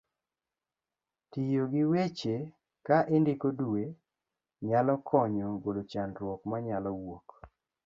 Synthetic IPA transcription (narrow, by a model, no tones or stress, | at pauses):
tijoɡɪwet͡ʃe | kaʔɪndɪkodue | ɲalɔkʰɔɲɔɡolot͡ʃandɾwɔkmaɲalɔwok